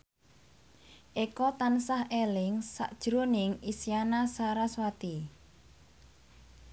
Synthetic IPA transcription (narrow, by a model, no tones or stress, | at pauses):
ʔekɔt̪ansahelɪŋsa̰ʔd̥ʒ̥ɾonɪŋisjanasaɾaswat̪i